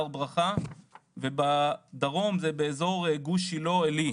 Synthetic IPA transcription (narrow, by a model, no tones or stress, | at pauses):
ʁbʁaχavebad̪aʁo̞mzebeːzo̞ʁeɡuʃilo̞eli